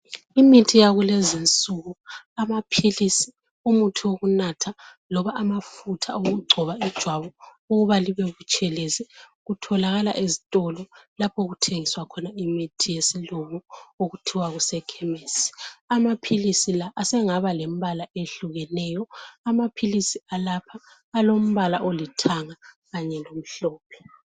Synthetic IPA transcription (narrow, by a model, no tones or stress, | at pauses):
imitʰijaɣulezint͡sʼuɣu | amapʰilisi̥ | umutʰiwoɣunatʰa | lɔβaʔamafutʰaoɣuɡ͡ǀʱɔβaid̥ʒ̥ʱwaβɔ | uɣuβaliβɛɣut͡ʃʼɛlɛzɛɣutʰɔlaɣala̰ʔezitʼɔlɔlapʰoɣutʰeŋiswakʰɔnaimitʰijesiloβɔoɣutʰiwaɣusɛkʰɛmeːsi̥amapʰilisilaʔːsɛŋaβalɛm̩balaeɬuɣɛnɛjɔamapʰilisialapʰaː | lom̩βalaʔolitʰaŋa | ɣaɲɛlom̩ɬɔːp̚ʰɛ̥